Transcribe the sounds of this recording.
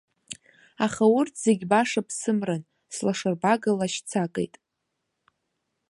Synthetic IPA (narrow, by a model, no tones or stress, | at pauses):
aχaʊrtʰz̥eɡʲbaʂapʰsɨmran | slaʂarbaɡalaʃt͡sʰakʼḛjtʼ